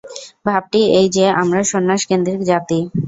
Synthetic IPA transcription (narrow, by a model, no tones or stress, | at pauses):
bʱab̚ʈiejd͡ʑeamɾaʃonːaʃkend̪ɾikd͡ʑat̪i